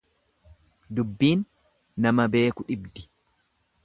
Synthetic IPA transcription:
d̪ʊbːiːnː | ɐmɐbe̞ːkʊᶑɪbd̪ɪ̥

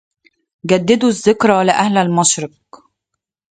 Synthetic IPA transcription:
ɡæd̪ːɪd̪uzːɪkɾˤɑlɪʔæhlælmɑʃɾɑq̚

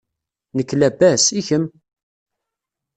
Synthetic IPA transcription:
nəkːlæbæsiçəm

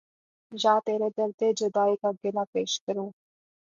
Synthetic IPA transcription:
d͡ʒaːt̪eːɾed̪ɐɾd̪ed͡ʒəd̪aːikaɡɪnapeːʃkəɾoː

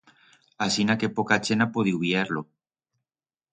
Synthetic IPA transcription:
asinake̞pokat͡ʃenapoðiuβieɾlo

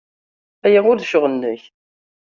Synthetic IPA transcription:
æjæʊɾðʃʊʁənːəç

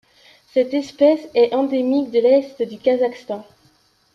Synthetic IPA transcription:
sɛt̪ɛspɛsɛʔɑ̃d̪emik̚d̪əlɛst̪d̪ykazakst̪ɑ̃

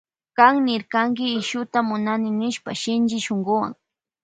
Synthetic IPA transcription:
kaŋnɪɾkaŋk̬ɪːʃʊt̪amʊnanɪnɪʃpa̰ʃɪnd͡ʒɪʃoŋɡʊwa̰ŋ

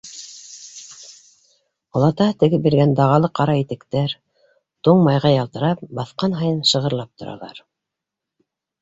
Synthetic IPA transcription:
ɑlˠɑt̪ɑt̪ɘ̆ɡɘbiɾɡænd̪ɑʁɑlˠɤqɑɾɑit̪ɘ̆kt̪æɾ | t̪uɴmɑjʁɑjɑlˠt̪ɤ̆ɾɑp̚bɑθqɑnɦɑjɤnʃɤ̆ʁɤ̆ɾlˠɑp̚t̪ŏɾɑ̰lˠɑ̰ɾ

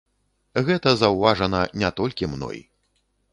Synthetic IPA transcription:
ɣɛt̪ɐzɐwvaʐɐnɐnʲɛt̪ɔlʲkʲimnɔ̰j

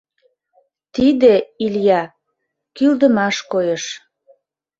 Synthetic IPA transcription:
t̪id̪eiljɑ | kyld̪əmɑʃkojeʃ

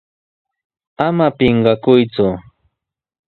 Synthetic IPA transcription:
amapɪɴɢɑkʊjt͡sʊ

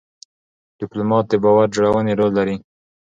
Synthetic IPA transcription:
d̪̥ɪplomɑt̪̚d̪ɪbɑwaɾ̚d͡ʒoɽawəneɾolːaɾi

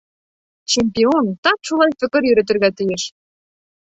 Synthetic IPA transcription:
t͡ɕemʲpʲiont̪ɑt̪ʃulˠɑjfə̆kɤ̆ɾjøɾɘ̆t̪ɘ̆rɣæt̪ɘ̆jeʃ

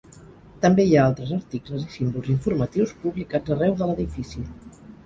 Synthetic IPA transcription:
t̪əmbeiaalˠt̪ɾəzəɾt̪ikləzisimbulˠziɱfuɾmət̪iwspuβlikḁd͡zərɛwðələðifisi

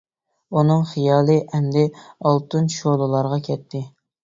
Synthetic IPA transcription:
unɨŋχijɑːlˠɨʔɛmd̪ɪɑlˠt̪ɨnʃolˠɨlˠɑɾʁɑkʲʰɛt̪ʰːɪ

